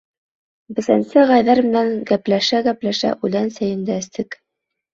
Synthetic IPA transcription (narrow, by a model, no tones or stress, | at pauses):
bɘ̆sænsɘʁɑjðɑɾmɘ̆næŋɡæplæʃæɡæplæʃæ̰ʔʉlænsæjɘ̆nd̪æɘ̆st̪ɘk